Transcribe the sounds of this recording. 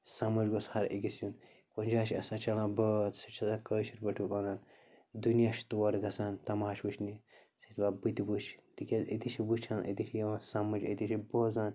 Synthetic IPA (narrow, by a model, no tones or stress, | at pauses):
sɐmɐd͡ʒɡoshɐɾḭɡisjun | konʲd͡ʒaːʃiɐ̰sãːt͡ʃɐlãːbət̪sɐt͡ʃʰɐzãːkəːʃiɾbɐʈʰupɐnaːn | d̪unijaʃt̪oːɾɡɐsaːnt̪ɐmaːʃbut͡ʃʰni | sit̪ʰbaːbɨt̪ibut͡ʃʰt̪ikʲezḭt̪it͡ʃʰibut͡ʃʰaːnʔḭt̪iʃʰijɐʋãːsɐmɐd͡ʒɐd̪iʃʰiboːzaːn